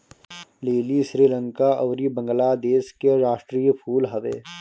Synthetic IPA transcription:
leːliʃɾiːlə̃ŋkaʔɔːɾibə̃ŋɡəlaːd̪eːskeɾaːʃʈɾiːjəpʰuːlɦɐʋḛː

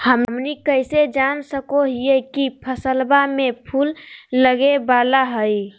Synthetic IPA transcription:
həmmnikəjsed͡ʒansəkoɦiekipʰəsəlbamepʰulːəɡebalaɦəj

